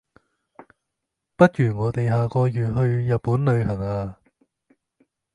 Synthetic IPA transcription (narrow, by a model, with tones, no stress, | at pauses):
pɐ˥t̚jyː˨˩ŋɔː˨˧t̪e˨jɦaː˨kɔː˧jyː˨t̚hɵ˧ɥjɐ˨t̚pːuː˨˥nlɵ˨˧ɥhɐ˨˩ŋaː˧